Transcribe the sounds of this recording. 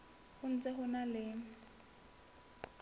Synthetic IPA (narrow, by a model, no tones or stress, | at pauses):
hʊn̩t͡sɛɦʊnalɪŋ̩